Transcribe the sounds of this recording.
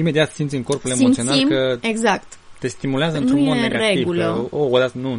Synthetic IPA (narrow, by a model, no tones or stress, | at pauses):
ime̞d̪iat̪simt̪sʲɨŋko̞rpule̞moitsio̞salimkəeɡzakt̪t̪e̞st̪imuleazəɨnt̪ɾunodeneɡaɾaeiɡvuləood̪at̪nu